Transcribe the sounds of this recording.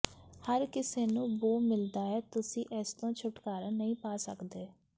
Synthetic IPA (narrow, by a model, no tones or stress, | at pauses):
həɾkɪseːnũːʋoːmɪld̪aːɛːt̪ʊsĩːʔɛːst̪õːt͡ʃʰʊʈkaːɾãːnəĩːpaːsə̰kd̪eː